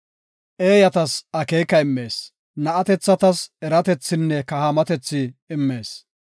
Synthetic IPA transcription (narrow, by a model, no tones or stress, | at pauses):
ʔeːjɐt̪ɐsɐkeːkːɐɪmːe̞ːs | nɐʔɐt̪ɛt͡sːɐt̪ɐsɛɾɐt̪ɛt͡sːɪnːɛkɐhamɐt̪ɛt͡sːɪːmːe̞ːs